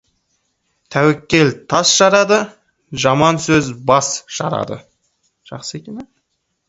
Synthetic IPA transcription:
t̪ʰæwɪkʲːe̞lt̪ʰɑsʒɑɾɑd̪ə | ʒɑmɑnsɵzbɑsʒ̥ɑ̰ɾɑ̰d̪ə̰ | ʒ̥ɑqsəekʲene

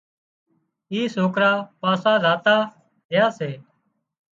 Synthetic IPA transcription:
iːsoːkɾaːpaːsãːɾaːt̪aː | d̪ɪjaːseː

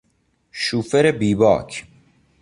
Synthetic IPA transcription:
ʃuːfeɾebiːbɒ̰ːkʰ

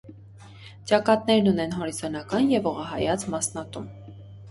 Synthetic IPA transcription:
t͡ʃɑkɑt̪̚nɛɾnunɛnɦɔɾizɑnɑkɑnjɛvɔʁɑɦɑjɑt͡smɑsnɑt̪um

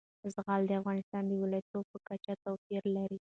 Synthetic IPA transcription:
zɣɑld̪əafɣɑnɪst̪ɑnd̪əwɪlɑjat̪ob̚pəkat͡ʃat̪awpiɾlaɾi

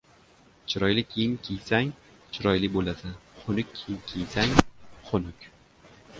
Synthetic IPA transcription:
t͡ʃʰɪɾɒjlɪkʲʰejɪŋkʲʰejsaŋ | t͡ʃʰɪɾɒjlɪbolad̪ɪχʰʊnʊkʲʰːejɪŋkʲʰejsaŋχʰʊnʊkʲ

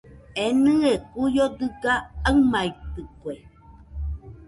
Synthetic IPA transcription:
enɨekujod̪ɨɡaamait̪ɨkwe

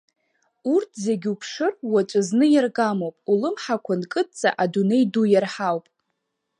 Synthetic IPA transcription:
urtʰzeɡʲupʰʂɨrwat͡ʃʷʼaznɨjarɡamowpʼulɨmħakʷʰankʼɨt̚ʼt͡sʼa̰ʔadune̞jdujarħawpʼ

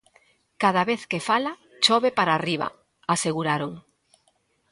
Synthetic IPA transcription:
kað̞aβeθkefala | t͡ʃɔβepaɾaːriβa̰ | aseɣuɾaɾoŋ

